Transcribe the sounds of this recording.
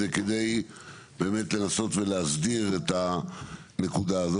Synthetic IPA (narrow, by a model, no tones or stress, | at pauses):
eked̪e̞j | be̞ːme̞tle̞naso̞t̪ve̞leasdiʁet̪a | ne̞kud̪aːzo